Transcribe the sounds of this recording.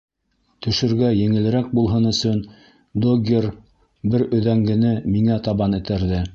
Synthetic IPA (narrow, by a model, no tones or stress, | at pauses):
t̪ɵ̆ʃɘ̆ɾɡæjɘ̆ŋɘ̆lɘ̆ɾæk̚bulˠɦɤnɵ̆sɵn | d̪oɡʲer | bɘɾɵ̆ðæŋɡɘ̆nɘmiŋæt̪ɑβɑnɘ̆t̪æɾðɘ